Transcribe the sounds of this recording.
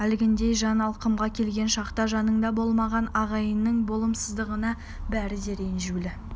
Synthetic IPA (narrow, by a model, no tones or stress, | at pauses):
ælɪɡʲɪnd̪e̞jʒɑnɑlˠqəmʁɑkʲʰe̞lɡʲe̞nʃɑqt̪ɑʒɑnəɴd̪ɑbo̞lˠmɑʁɑnɑʁɑjənːəɴbo̞lˠəmsəzd̪əʁənɑ | bæɾɪd̪e̞ɾenʒulɪ